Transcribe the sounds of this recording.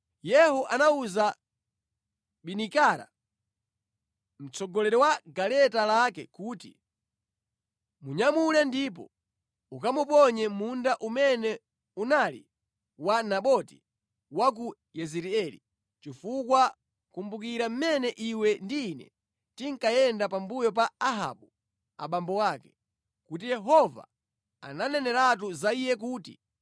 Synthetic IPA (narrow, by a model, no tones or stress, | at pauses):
jɛɦɔʔanauza | ɓinikaɾa̰ | m̩t͡sɔɡɔlɛɾɛwaɡalɛtalakɛ̰kuːtḭ | muɲamulɛndip̬ɔ̰ | uk̬amupɔɲɛmundaʔumɛnɛ | unalḭ | wanaɓɔti̥ | wak̬u | jɛzɛɾiɛli | t͡ʃifukwa | kumbuk̬iɾam̩mɛnɛʔiwɛndiːnɛ̰ | tiŋ̩kajɛndapambujɔp̬aaɦa̰ɓu | a̰ɓambɔwakɛ̥ | kut̬ijɛɦɔva̰ | a̰nanɛnɛɾat̬uzaijɛk̬uːtḭ